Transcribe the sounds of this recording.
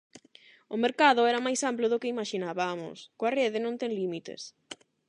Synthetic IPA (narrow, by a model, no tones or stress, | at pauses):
ʊmeɾkaðʊɛɾɐmajsamplʊðʊkɪimaʃinaβamʊ̰skoareðɪnõnt̪ɛŋlimit̪ḛs